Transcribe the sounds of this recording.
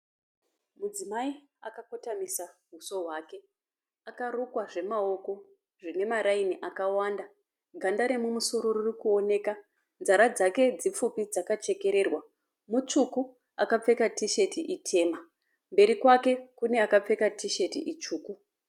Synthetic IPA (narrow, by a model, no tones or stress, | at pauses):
mud͡zimai | akako̞tamisaɦuso̞ɦwaːke̞ | akarukwaʐe̞mao̞ko̞ | ʐine̞maɾainiʔakawanda | ɡʱandaɾemumuso̞ɾo̞rurikuo̞ne̞ːka | nd͡zaɾad͡zake̞d͡zip͡fupid͡zakat͡ʃe̞ke̞ɾe̞rwa | mut͡ʂuku | akap͡fe̞katiʃe̞tiʔitʰe̞ːma | mbe̞ɾikwake̞kune̞akap͡fe̞katʰiʃe̞tḭʔit͡ʃuːku